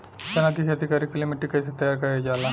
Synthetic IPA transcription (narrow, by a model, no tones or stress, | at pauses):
kɐnãkikiɐd̪ʱikaːɾikːlimiʈikɐjset̪ɐjaɾkɐɾed͡ʒaːlaː